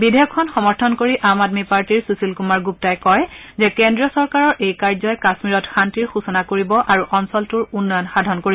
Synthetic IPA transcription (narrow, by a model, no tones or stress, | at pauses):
bidʱɛjɔkʰːɔnxɔmɔɹtʰɔnkoɹiʔamadmipaɹtiɹsusilkumaɹɡup̚tajkɔj | zɛkendɹijɔsɔɹkaɹɔɹʔejkaɹzɔjkasmiɹɔtxantiɹxusɔnakoɹibɔʔaɹuʔɔnsɔltʊɹunːɔjɔnxadʱɔnkoɹib